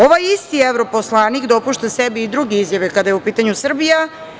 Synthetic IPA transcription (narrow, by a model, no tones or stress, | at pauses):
o̞ʋajist̪ieʋɾopo̞slˠaːnikd̪o̞puʃt̪asebiːd̪ɾuɡeizjaʋekad̪ajeupiːt̪aɲusr̩bija